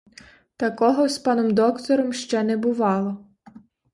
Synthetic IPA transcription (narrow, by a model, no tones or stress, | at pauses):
t̪ɐkɔɦɔspɑnɔmd̪ɔkt̪ɔɾɔmʃt͡ʃɛnɛbʊʋɑlˠɔ